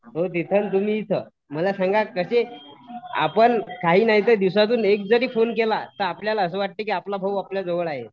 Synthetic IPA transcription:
ɦot̪̬it̪ʰənt̪̬um̤iːt̪ʰəː | məlasãŋɡakəɕe | a̰pəɳkaɦiːnaɦit̪̬əd̪iwsat̪̬uːnek̚d͡zəɾiːfonkelat̪əɾapljalaəsəːʋaʈ̚t̪ekiːaplabʱəwapljad͡zoʋəɭaɦe

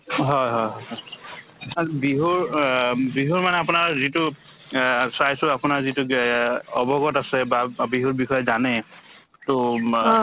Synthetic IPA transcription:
ɦɔjɦɔjɦɔjɦɔj | abiɦuɹbɹiɦuɹmanɛapʊnaɹzitʊ | sajsʊapʊnaɹzitʊ | ɔbɔɡɔtasɛbabiɦuɹbixɔjɔzanɛ | tʊ

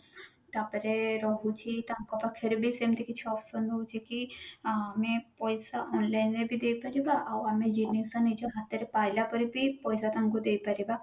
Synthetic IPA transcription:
t̪apɔɾeɾɔɦut͡ʃʰit̪aŋkɔpakʰeɾbisemt̪ikit͡ʃʰɔpsɔnd̪ut͡ʃʰikiamepɔjsaʔɔnlajnebʱid̪ejpaɾibaʔawamed͡ʒinːisanid͡ʒɔɦat̪ːeɾepajlapɔɾibipɔjsat̪ãŋkud̪ejpaɾiba

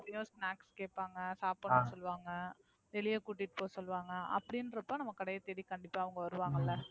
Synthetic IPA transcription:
ɐjõːsnaːkskeːʈpːaːŋɡɐsaːpːɐnɯsɔlːʋaːŋɡɐ | t̪ɛlɪjɐkuːʈːɪʈːɯ̥poːsɔlːɯʋaːŋɡɐɐ̰pːɐɽɪnɾɐpːõːnɐmːɐkɐɽɐjɐt̪ɛɽikɐɳɖɪpːaːɐʋɐŋɡɐʋɐɾɯʋaːŋɡɐlːɐ

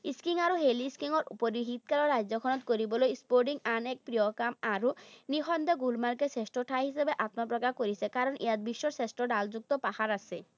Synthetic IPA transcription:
iskiŋaɾoɦeliskiŋɔɾupoɾiɦit̪̚kalɔɾad͡ʑɔkʰɔnɔt̪koɾibolojspoɾɖiŋanɛk̚pɾiɔkamaɾonixʰɔnd̪eɡulmaɾkesesʈoʈʰaɦisebeʔat̪mapɾɔkakoɾisʰekaɾɔnḛjad̪biʃːɔɾsesʈɔɖald͡ʑuk̚t̪ɔpahaɾasʰe

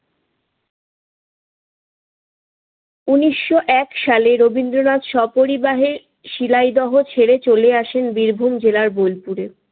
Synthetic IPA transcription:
uniʃːoʔɛkʃaleɾobind̪ɾonad̪ʃɔpoɾibaɦe | ʃilajd̪ɔɦot͡ɕʰeɾet͡ɕoleaʃenbiɾbʱumd͡ʑelaɾbojlpuɾe

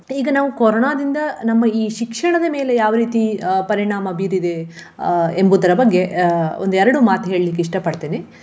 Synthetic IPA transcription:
iːɡɐnaːʋukoɾoːɳaːd̪ind̪ɐnɐmːɐiːʃikʂɐɳɐd̪ɐme̞ːle̞jaːʋɐɾiːt̪ipɐɾiɳaːmɐbiɾid̪e̞ | embud̪ɐɾɐbɐɡːe̞ond̪uɛɾɐɽumaːt̪uɦe̞ːɭlik̬ːeiʂʈɐpɐɽt̪iːni

